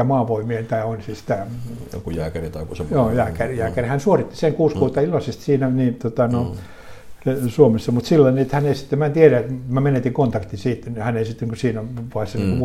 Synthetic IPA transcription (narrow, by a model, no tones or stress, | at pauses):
ɑmɑːʋoimieent̪æionʲsisi̥t̪ækujæ̰ːkærit̪ɑikusemjoːjæːkærjæːkærihænsuorit̪ːi̥seŋkuːskuːt̪ːɑilːɑsest̪siːnæniːnt̪ot̪ɑnoi | suomesːɑmut̪silːɑniet̪hænelsi̥t̪ːemæt̪ieræet̪mæmenet̪iŋkont̪ɑkt̪isiːt̪hænelsit̪ːiŋkusiːnonpɑˑsɑniŋku